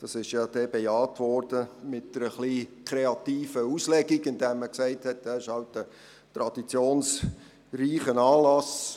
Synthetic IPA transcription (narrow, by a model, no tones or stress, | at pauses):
d̥ɑsɪʃjɑd̥̪ɛːbejɑːtʋɔɾd̥əmɪtdəɾəχlikʰɾeɑtiːfəuslɛɡiɡɪndɛːmːəksæɪthɛt̚æɪʃhɑltd̥ə | t̪ɾɑd̥it͡sjoːns | riːχənɑːlɑs